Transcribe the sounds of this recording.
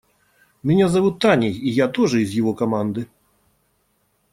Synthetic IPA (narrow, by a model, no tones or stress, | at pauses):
mʲɛnʲazavut̪ːanʲijijat̪ɔʐɨizʲjɔɣɔkamand̪ɨ